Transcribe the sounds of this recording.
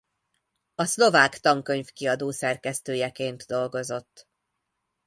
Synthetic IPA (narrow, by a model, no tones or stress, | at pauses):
ɒslo̞vaːkt̪ɒŋkø̞ɲfkiɒd̪oːsɛrkɛst̪øːjɛkeːnt̪d̪o̞lɡo̞zo̞t̪ː